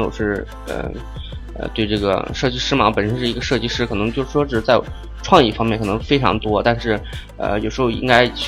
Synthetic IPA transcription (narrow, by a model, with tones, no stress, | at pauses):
jo˨˩ʊʂɻ̩˥˩ | ə̰˧ | ə̰˧t̪we˥˧ɪʈ͡ʂɤ˥˩ɡə̰˩ʂɤ˥˩t͡ɕi˥˩ʂɻ̩˥mɑ˧˥pə˨˩nʂə˥nʂɻ̩˥˩i˧˥ɡə˧ʂɤ˥˧t͡ɕi˥˧ʂɻ̩˥˩kʰɤ˨˩nɤ˧˥ŋt͡ɕo˥˧ʊʂɻ̩˥˩ʂwɔ˥ʈ͡ʂ̩˥˩˥t͡sa˥˩ɪ | ʈ͡ʂʰwɑ˥˧ŋjḭ˥˩fɑ˥ŋmjɛ˥˩nkʰɤ˨˩ɤ˧˥ŋfe˥ɪʈ͡ʂʰɑ̰˧˥ŋt̪wɔ˥t̪a˥˧nʂɻ̩˥˩ | ə̰˧jo˨˩ʂɻ̩˧˥xo˥˧ʊḭ˥ŋka˥ɪ